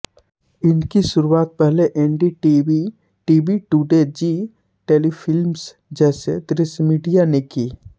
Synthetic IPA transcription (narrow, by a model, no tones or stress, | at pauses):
ɪnkiʃʊɾuaːt̪̚pɛɦleʔɛːɳɖiʈii | ʈiːbiʈuːɖed͡ʒiː | ʈeːlifʰɪlms | d͡ʒɛːsḛd̪ɾɪsmiːɖijanekiː